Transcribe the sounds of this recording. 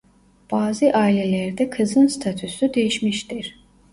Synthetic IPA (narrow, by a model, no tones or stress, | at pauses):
b̥aːziʔɑːilɛlæɾd̪ɛkʰɯzɯnst̪ʰat̪ʰusud̪ejiʃmiʃt̪iɾ